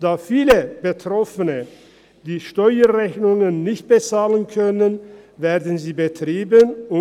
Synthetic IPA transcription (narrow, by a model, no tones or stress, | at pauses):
d̥aːfiːləb̥ətʁ̥ɔfənə | d̥iːʃtɔʏɐʁɛçnʊŋənːɪçt̚b̥ət͡saːlənkʰœnənveːɐdn̩ziːbətʁ̥iːbənʊ